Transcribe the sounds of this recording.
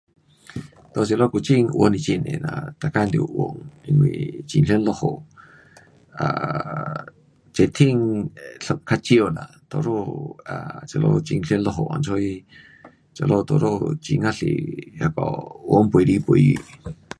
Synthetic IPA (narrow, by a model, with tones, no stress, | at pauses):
t̪o˧˨se˧lo˦˧ku˧˨t͡ʃi˧ŋʔu˧ə˧˦nĩ˧t͡ʃi˧˨nḛ̃˨na̰˧t̪a˨ka˦˧nd̪o˧ʔwo˧˨ŋi˧nwḭ̃˧˨t͡ʃi˧nɬe˦nlo˧ho˨ | a˨ | t͡ʃe˧˨t̪ʰi˦˧ŋɬo˧kʰa˦˧t͡ʃi˦o˧˨la̰˨t̪o˧ɾo˧a˨t͡ʃa˧lo̰˧t͡ʃi˧ŋɬe˧˦nlo˧ɦo˧˨ʔa̰˧˨nt͡ʃʰo˧˦i˧ | t͡ʃa˨lo˧t̪o˧˨ɾo˦˧t͡ʃi˧ŋa˦ɬḭ˧˨ha˧kɔ˨wo˧˦ŋpɾi˧po˧ji˧